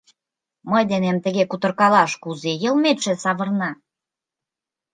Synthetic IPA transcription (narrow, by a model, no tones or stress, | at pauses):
məjd̪enemt̪ə̆ɣekut̪ə̆rkɑlɑʃkuzejə̆lmet̪ʃĕsɑβə̆rnɑ